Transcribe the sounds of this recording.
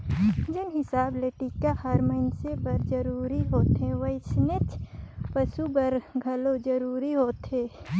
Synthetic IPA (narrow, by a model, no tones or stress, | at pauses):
d͡ʒɪnɦɪsaːbleːʈikahɐɾməɪnsebɐɾd͡ʒəɾuːɾiɦoːt̪ɦẽʋɐɪt͡ʃnet̪pəʃubɐɾɡʱɐlod͡ʒəɾuːɾiɦoːt̪ɦeː